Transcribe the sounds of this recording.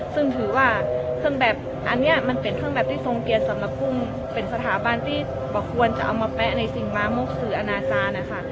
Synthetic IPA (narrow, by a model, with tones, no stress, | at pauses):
sɯ˥˩ŋt̪ʰɯː˩˦waː˥˩kʰɯ˥˩əŋbɛː˨˩p̚ | ʔa˧nːi˦˥ɐma˧npe˨˩nkʰɯ˥˩əŋbɛː˨˩p̚t̪ʰiː˥˩so˧ŋki˧ənsa˩˦mla˧˥p̚ʰːu˥˩m | pe˧nsa˧t̪ʰaː˩˦ba˧nt̪ʰiː˥˩ | bɔː˨˩kʰu˧ənt͡ɕa˨˩ʔa˧wmaː˧pɛ˦˥na˧jsi˨˩ŋlaː˧mo˦˥k̚sɯː˩ʔa˧naː˧t͡ɕaː˧nʔa˧˩kʰa˥˩